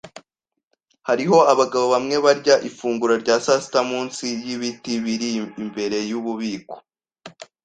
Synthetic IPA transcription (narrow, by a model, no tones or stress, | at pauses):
haɾiɦo̞aβaɡaβo̞βamŋe̞βaɾɟaʔifuːŋɡuɾoɾɟaːsasi̥tamuːnsijiβitiβiɾiːmbe̞ɾe̞juβuβiːko̥